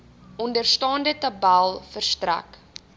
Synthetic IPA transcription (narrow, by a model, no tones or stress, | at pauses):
ɔndərstɑːndətɐbælˠfərstræ̰k